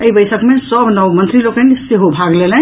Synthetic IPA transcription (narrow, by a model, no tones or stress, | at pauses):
əibəjsəkmesəbnəwmənt̪ɾilokənseɦobʱaɡlelɛ̃